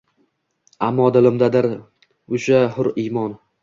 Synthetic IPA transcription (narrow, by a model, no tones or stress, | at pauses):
amːɒd̪ɪlɪmd̪ad̪ɪɾ | ʊʃahʊɾimɒn